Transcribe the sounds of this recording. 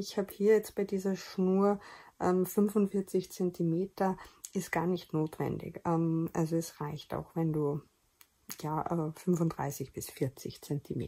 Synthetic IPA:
ɪçhaːbəhiːɐjɛt͡st̚b̥aɪdiːzɐʃnuːɐʔɛːmfʏnvʊnfɪɐt͡sɪçt͡sɛntʰimeːtɐʔɪstɡ̥aːɐnɪçtnoːtv̥ɛ̰ndɪ̰çʔɛːmʔa̰lzoɛsʁaɪçta̰ʊxvɛnduː | jaːʔɛːfʏnvʊntdʁa̰ɪsɪçb̥ɪsfɪɐt͡sɪçt͡sɛntʰimḛː

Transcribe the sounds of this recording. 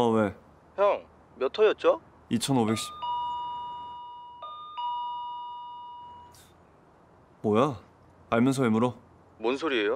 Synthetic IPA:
we̞ | çjʌŋ | mjʌtʰʌjʌt̚t͡ɕ͈o | it͡ɕʰʌnobe̞k̚ɕ͈i̥ | mwʌja | aɭmjʌns̬ʰʌemuɾo | monsʰoɾiejo

